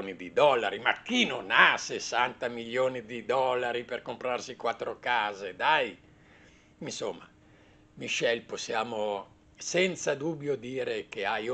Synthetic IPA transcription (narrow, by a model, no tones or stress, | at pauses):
nid̪id̪ɔlːaɾimak̟ːinonasesːant̪amiʎjoːnid̪id̪ɔlːaɾiperkompɾarsikwat̪ːɾokaːzed̪aj | insomːa̰ | miʃɛlposːjaːmo | sɛnt̪sad̪ubːjod̪iːɾekeaj